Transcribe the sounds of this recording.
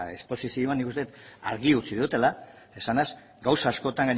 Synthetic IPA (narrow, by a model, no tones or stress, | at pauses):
e̞̰spo̞sisioanikust̪et̪aɾɣiut͡siðut̪e̞la | e̞sanas | ɡawsaːsko̞t̪aŋɡaɲ